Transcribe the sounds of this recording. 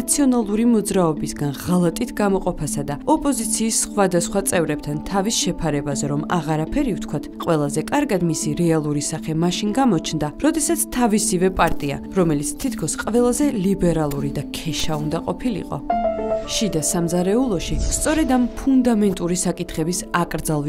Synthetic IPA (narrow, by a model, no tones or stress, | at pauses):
t̪sʰiɔnalˠuɾimɔd̪zɾaɔbisɡanʁalˠat̪ʼit̪ʰɡamɔqʼɔpʰasad̪aɔpʼɔzit̪sʰiːsːχwad̪asχwat̪sʼɛvɾɛb̚t̪ʰant̪ʰavisʃɛpʰaɾɛbazɛɾɔma̰ʁaɾapʰɛɾift̪ʰkʰwat̪ʰqʼwɛlˠazɛkʼaɾɡad̪misiɾɛalˠuɾisaχɛmaʃinɡamɔt͡ʃʰnd̪aɾɔd̪ɛsat̪sʰt̪ʰavisivɛpʼaɾt̪ʼia̰ | ɾɔmɛlit̪sʰt̪ʰit̪ʰkʰɔsqʼvɛlˠazɛlibɛɾalˠuɾid̪akʰɛʃaund̪aqʼɔpʰilḭqʼɔ̰ʃid̪asamzaɾɛulˠɔʃist̪sʼɔɾɛd̪ampʰund̪amɛnt̪ʼuɾisakʼit̪ʰχɛbisakʼɾd̪zalˠv